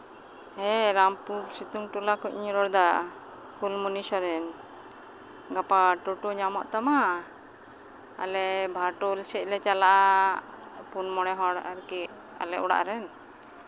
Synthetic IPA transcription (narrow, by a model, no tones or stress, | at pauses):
ɛɾampuɾsit̪uŋʈulakɔcɲɾɔɽd̪a | kulmunisɔɾɛn | ɡapaʈɔʈoɲamɔʔt̪ama | a̰lɛbʱaɾʈolsɛc̚lɛt͡ʃalaʔa | punmɔɽ̃ɛɦɔɽaɾkɛ | a̰lɛɔɽa̰ʔɾɛn